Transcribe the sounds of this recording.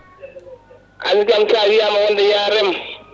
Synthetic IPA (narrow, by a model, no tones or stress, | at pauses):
ʔa̰likʲamsaabijaːmawɐndajaːɾɪm